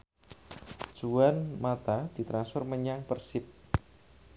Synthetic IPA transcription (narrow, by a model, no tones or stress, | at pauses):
d͡ʒ̥uanmat̪ad̥i̤t̪ɾansfɔrməɲaŋpərsɪp̚